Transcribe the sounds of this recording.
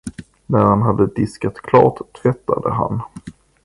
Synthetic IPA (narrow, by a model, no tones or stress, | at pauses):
næɾhanɦad̪əd̪ɪskat̪kʰlɑ̰ːʈʰːvɛt̪ːad̪ə̰ɦa̰n